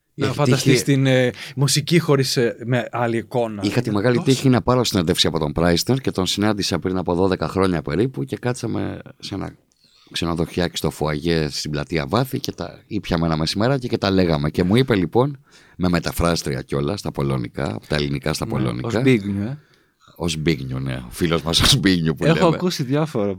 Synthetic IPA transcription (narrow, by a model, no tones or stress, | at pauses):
eçifɐnt̪d̪ɐsist̪inmusicixo̞ɾismeɐliːko̞nɐixɐt̪ime̞ɣɐlit̪içinɐpɐɾosined̪efksiɐpo̞t̪o̞mpɾɐjsneɾce̞t̪o̞nsinɐnd̪isepɾinɐpo̞ðo̞ðe̞kɐxɾo̞ɲɐpe̞ɾipuce̞kɐt̪sɐme̞̰se̞nɐ̰ | kse̞no̞ðo̞çɐki̥st̪o̞foɐʝest̪iblɐt̪iɐvɐθice̞t̪ɐ̰ipçɐmeenɐmesime̞ɾɐcecet̪ɐle̞ɣɐme̞ce̞muipe̞lipo̞n | me̞me̞t̪ɐfɾɐst̪ɾiɐ̰co̞lɐst̪ɐpo̞lo̞nḭkɐ̰pot̪ɐelinikɐst̪ɐpo̞̰lo̞̰nḭkɐiɣɲu | ozbiɣɲunḛofilo̞zmɐsozbiɣɲupueleoɐekusiðjɐfoɾɐ